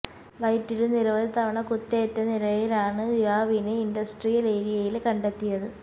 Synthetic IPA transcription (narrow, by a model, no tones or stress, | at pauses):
ʋɐjtːilɨniɾoːðit̪ɐʋɐɳɐkut̪ːɐːtːɐnilɐjilaːɳɨiʋaːʋinɨindɐsʈrijɐleːɾijɐjilkɐɳɖe̞t̪ːijɐðɨ